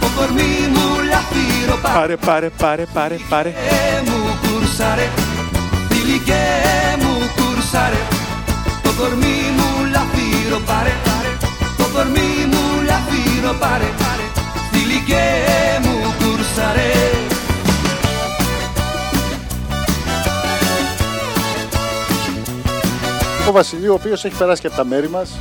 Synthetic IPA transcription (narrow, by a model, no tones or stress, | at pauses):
okoɾmimulafiɾopaaɾepaɾeaɾeaɾeaɾemukuɾsaɾe | d̪ilikemukuɾsaɾe | okoɾmimulafiɾopaɾeaɾokoɾmimulɐfiɾopaɾe | θilicemukuɾsɐɾe | ovɐsilioːpio̞se̞çi̥pe̞ɾɐsi̥cɐpot̪ɐme̞ɾimɐs